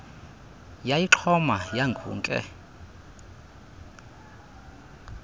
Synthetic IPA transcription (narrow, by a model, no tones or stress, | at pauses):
jajiǁʰɔmajaŋɡʰʱṵːŋkʼɛ̰